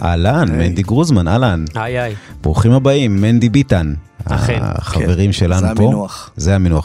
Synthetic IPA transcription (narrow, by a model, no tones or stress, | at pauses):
ʔa̰lanmend̪iɡʁuzmanalan | bʁuχimhabaimːend̪ibitan | a̰χaveʁimʃe̞lanupozeaminua